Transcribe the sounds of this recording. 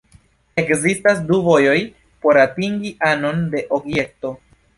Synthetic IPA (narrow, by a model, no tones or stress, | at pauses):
e̞kzistasduvo̞jo̞j | po̞ɾatiŋɡiʔano̞nde̞ʔo̞ɡje̞k̚to̞